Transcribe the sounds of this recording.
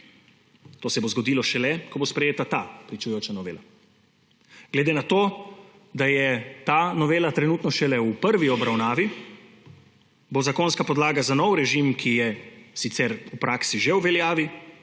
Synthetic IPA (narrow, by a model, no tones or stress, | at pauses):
t̪oːsɛbozɡɔd̪iːlɔʃɛlɛkɔbospɾɛjeːt̪at̪apɾit͡ʃujoːt͡ʃanɔʋḛːla | ɡ̥lɛd̪enat̪oː | d̪ajɛt̪anɔʋeːlat̪ɾɛnuːt̪nɔʃɛlɛupəɾʋiɔbɾawnaːʋi | bozakonskapɔd̪laːɡazanɔwɾɛʒimkʰijɛsit̪sɛɾupɾʔaksiʒɛwʋɛljaːʋi